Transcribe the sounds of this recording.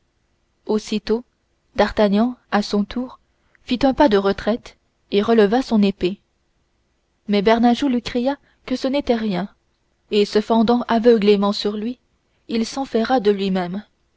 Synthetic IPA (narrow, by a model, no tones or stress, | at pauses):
osit̪o | d̪aʁt̪aɲɑ̃asɔ̃t̪ʰuːʁ | fit̪ɛ̃pad̪əʁət̪χɛt̪ | eʁələvasɔ̃nepe | mɛbɛʁnaʒolɥikχija | kəsənet̪ɛʁjɛ̃ | esəfɑ̃d̪ɑ̃ʔavəɡlemɑ̃syʁlɥi | ilsɑ̃fɛʁad̪əlɥimɛm